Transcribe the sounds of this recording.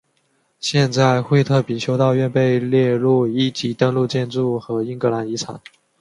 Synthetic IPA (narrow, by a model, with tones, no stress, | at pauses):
ɕjɛ˥˧nt͡sa˥˩ɪxwe˥˧ɪt̪ʰɤ˥˩pi˨˩t͡ɕʰjo˥ʊt̪ɑ˥˧ʊɥɛ˥˧npe˥˧ɪljɛ˥˧ɻu˥˩i˥˩t͡ɕi˧˥t̪ɤ˥˧ŋlu˥˧t͡ɕjɛ˥˧nʈ͡ʂu˥˩xɤ˧˥i˥ŋkɤ˧˥la˧˥ni˧˥t͡sʰa̰˨˩˦n